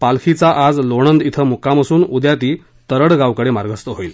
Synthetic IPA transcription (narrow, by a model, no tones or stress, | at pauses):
palkʰit͡saʔad͡zloɳ̃ənd̪it̪ʰəmukaməsuːnud̪jat̪iː | t̪əɾəɽɡawkəɽemaɾɡəst̪əɦoiːl